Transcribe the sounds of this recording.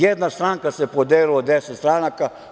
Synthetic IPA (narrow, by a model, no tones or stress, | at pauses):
jed̪nast̪ɾaŋkasepod̪eːlilod̪eset̪st̪ɾaːnaka